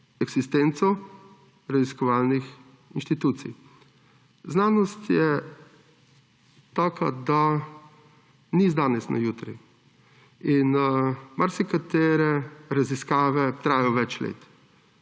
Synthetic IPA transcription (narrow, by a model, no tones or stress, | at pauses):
ɛɡz̥ist̪ent̪sɔ | ɾaziskɔʋaːlnix | inʃt̪it̪uːt̪sḭj | znaːnɔst̪jɛ | t̪aːkʰa̰d̪a | nizd̪aːnɛsna̰juːt̪ɾḭ | inmaɾsɛkat̪eːɾɛɾaziskaːʋɛt̪ɾaːjɔʋɛt͡ʃlḛːt̪